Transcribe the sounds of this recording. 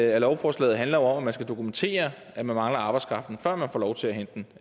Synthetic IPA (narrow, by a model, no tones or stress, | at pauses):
ælɒʊfɒːslɛ̰ːð̩ˠɦænlɐjo̝ɒ̽mæmænsɡ̥æd̥o̝kʰument͡sʰe̝̰ːɐ | ʔæmænmɑ̈ŋlɐɑ̈bɑ̈ɪskʰʁɑ̈fd̥n̩fɶɐ̰mænfɒ̰ːlɒʊt͡sʰe̝læɦend̥n